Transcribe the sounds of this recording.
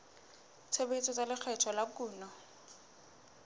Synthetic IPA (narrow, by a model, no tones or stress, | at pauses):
t͡sʰebet͡sʰʼɔt͡sʼalɪk͡xʰɛtʰɔlakuːnɔ